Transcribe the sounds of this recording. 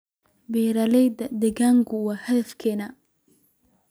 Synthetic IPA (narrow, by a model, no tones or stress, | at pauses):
bɛːɾɐlɛjd̪ɐd̪ɛɣaːŋkʰʊwɑːhɐðɐfkʰɛːnɐ